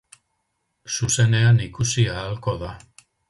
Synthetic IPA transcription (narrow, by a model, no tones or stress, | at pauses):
suse̞ne̞anikusiaːlko̞ða